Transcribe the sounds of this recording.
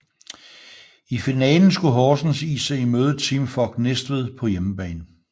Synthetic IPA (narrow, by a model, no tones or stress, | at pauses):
ifinɛ̰ːln̩sɡ̥uɦɒːsn̩sḭːsɑɪimøːðˠð̩ˠt͡sʰimfɒɡ̥nesd̥ʋiðˠpʰɒ̽jeməb̥ɛ̰ːnn̩